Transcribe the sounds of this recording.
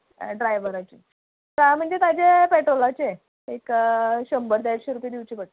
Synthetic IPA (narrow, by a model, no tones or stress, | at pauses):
ɖɾajʋəɾat͡ɕḭ | t̪əm̤əɳd͡zet̪ad͡ʑepeʈɾolat͡ɕe | ekɕəmbəɾd̪aakɕeɾupjd̪iʋt͡ɕiːpəʈ